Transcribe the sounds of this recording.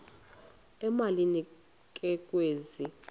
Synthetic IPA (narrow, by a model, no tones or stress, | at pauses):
ɛmalini | kʼɛkʼweːzi